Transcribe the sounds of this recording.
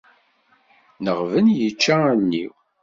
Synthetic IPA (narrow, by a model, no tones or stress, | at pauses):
nəʁvənjət͡ʃːæænːiw